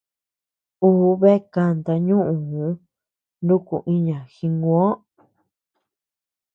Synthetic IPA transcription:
u˦βe˦ka˧nd̪a˧ɲũ˦ʔũ˨hũ˨˦ | ndũ˦ku˨ʔĩ˦ɲã˨xi˧ŋɡũ˧˦õ˦

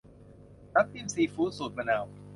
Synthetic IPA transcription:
na˦˥p̚t̪i˧˨msiː˧˩fuː˦t̚su˨˩t̪̚ma˧naː˨˩w

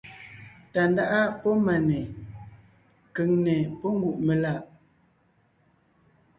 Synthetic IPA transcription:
ta˨nda˦ʔa˦pɔ˦ma˨nɛ˨ | kə˨ŋnɛ˨pɔ˦ŋ˦ɡu˨ʔme˨la˦˨ʔ

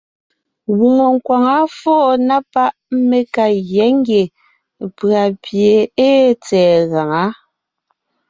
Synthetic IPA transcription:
ɣu˨mo˨ŋ˨kwa˨ŋa˨˦fɔː˦˨na˦pa˦ʔme˨ka˨ɣjɛ˨˦ŋ˦ɡje˨ | pɰa˨pje˨e˦t͡sɛː˨ɣa˨ŋa˨˦

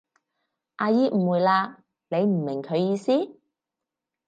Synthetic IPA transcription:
ʔaː˧jiː˥m̩˨˩wuː˨jlaː˧ | ne˨˧jm̩˨˩mɪ˨˩ŋkʰɵ˨˧ɥjiː˧siː˥

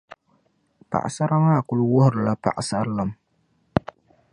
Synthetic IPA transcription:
pa̰˨ʔa̰˨sa˦ɾa˦ŋa˦˨kʊ˨lu˦wʊ˦hʊ˨ɾɨ˨la˦pa̰˨ʔa˨sa˦ɾla˦m

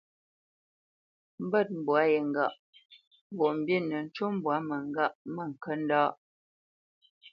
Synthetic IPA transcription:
m̩˦bə˦˨t̚m̩˨bwa˨˦je˨ŋ̩˨ɡa̰˦˨ʔ | m̩˨bɔ˨m̩˨bji˦˨nːə˨n̩˦t͡ʃu˦m̩˦bwa˨˦mə˨ŋ˦ɡa˦˨ʔmə˦˨ŋ̩˨kə˦n̩˦daː˦ʔ

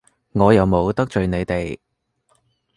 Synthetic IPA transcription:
ŋɔː˨˧jɐ˨wmo˨˧wt̪ɐ˥k̚t͡ʃɵ˨˧ɥne˨˧jt̪e˨j

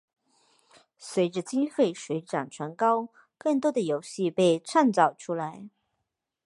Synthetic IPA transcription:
swe˧˥ɪʈ͡ʂə˧t͡ɕi˥nfe˥˩ɪʂwe˧˥ɪʈ͡ʂa˨˩ŋʈ͡ʂʰwa˧˥nkɑ˥ʊ | kɤ˥˩ŋt̪̬wɔ˥d̪ə˨jo˧˥ʊɕi˥˧pe˥˧ɪʈ͡ʂʰa˥˩nt͡sɑ˨˩ʊʈ͡ʂʰu˥la˧˥ɪ

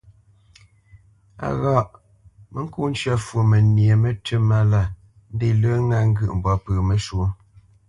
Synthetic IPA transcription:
a̰˨ɣa˦˨ʔ | mə˦ŋ̩˦ku˦˨n̩˦t͡ʃɰa˦˨fwo˨mə˨nje˨me˦tʰə˦ma˦la˦˨ | n̩˦de˦˨lə˦ŋa˦ŋ̩˦ɡɯ˦ʔm̩˨bɔ˨˦pəː˨me˨ʃu˨˦

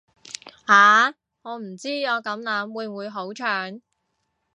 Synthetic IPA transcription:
haː˨ | ŋɔː˨˧m̩˨˩t͡siː˥jɔː˨˧kɐ˨˥mnɐ˨˥mwuː˨˧jwuː˨˧jɦo˨˥wt͡ʃʰœː˨˧ŋ

